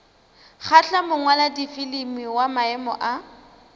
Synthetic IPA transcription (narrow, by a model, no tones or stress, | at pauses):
χʰat͡ɬamʊŋwaladifilɪmiwamaɛmɔ̰ʔa